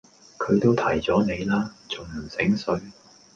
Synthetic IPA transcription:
kʰɵ˨˧t̪o˥wt̪ʰɐ˨˩jt͡sɔː˨˥ne˨˧jlaː˥t͡sʊ˨˩ŋm̩˨˩sɪ˨˥ŋsɵ˨˧˥ɥ

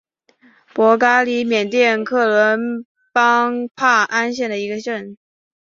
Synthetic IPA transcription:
pwɔ˧˥ka˥li˧˥mjɛ˨˩nt̪jɛ˥˧nkʰɤ˥˩lwə˧˥n | pɑ˥ŋpʰa˥˩ʔa˥nɕ̬jɛ˥˩nd̪ə˩i˧˥ɡə˧ɕə˥˩n

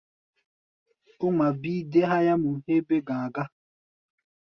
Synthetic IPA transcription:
o˦ma˨biː˦de˦ɦa˦ja˦mu˨he˦be˦ɡãː˨ɡa˦

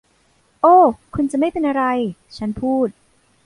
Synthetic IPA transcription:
ʔoː˧˩kʰu˧nt͡ɕa˨ma˥˩jpe˧nʔa˧ɾa˧jt͡ɕʰa˦˥npʰuː˥˩t̪̚

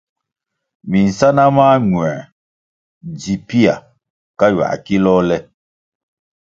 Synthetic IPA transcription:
mi˨n̩˨sa˦na˦maː˦ɲwɛ̃˨ | d͡ʒi˨pi˦a˨ | ka˦ɥa̰˨ki˦lɔː˦lɛ˦

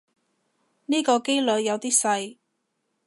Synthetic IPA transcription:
niː˥kɔː˧ke˥jlɵ˨ɥjɐ˨˧wt̪iː˥sɐ˧j

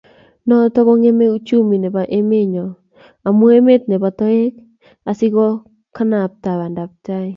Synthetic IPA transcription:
nɔ˦tɔ˦kɔ˦ŋe˦me˦u˦t͡ʃu˦mi˨ne˨ba˨ʔe˦me˦ɲɔ˨ | a˨mu˦e˦me˦t̚nɛ˨ba˨tɔ˦e˦k̚ | a˨si˦kɔ˦ | ka˦na˨p̚ta˨βa˨nda˨p̚ta˦i˨

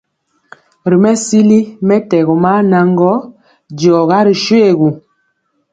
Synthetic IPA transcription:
ɾi˨mɛ˦si˦li˦mɛ˦tɛ˨ɣɔ˨ma˦na˨ŋ˦ɡɔ˦ | d͡ʒɔ˨ɣa˦ɾi˨ʃwe˦˨ɣu˨

